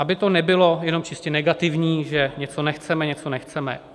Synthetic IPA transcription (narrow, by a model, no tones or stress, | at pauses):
ʔabɪt̪o̞nɛbɪlo̞jɛno̞mt͡ʃɪscɛnɛɡat̪ɪvɲiːʒɛɲɛt͡so̞nɛxt͡sɛmɛɲɛt͡sonɛxt͡sɛmɛ̰